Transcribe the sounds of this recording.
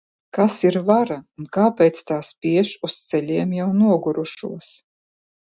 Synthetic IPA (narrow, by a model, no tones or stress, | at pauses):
kasiɾvaɾaunkaːpʲɛːt̪st̪aːspʲiɛʃust̪sɛlʲiɛmjawnuɔɡuɾuʃṵɔs